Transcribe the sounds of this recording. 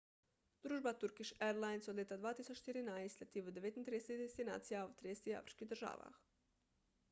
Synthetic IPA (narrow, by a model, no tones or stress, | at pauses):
d̪ɾuːʒbat̪uɾkiʃeɾlˠajnsod̪lʲet̪ad̪ʋaːt̪isot͡ʃt̪iɾinaislʲat̪iʋud̪eet̪int̪ɾieseid̪est̪ina̰ːt̪sijaot̪ɾid̪est̪ia̰fɾi̥t͡ʃkiɦd̪rʒa̰ːʋa̰x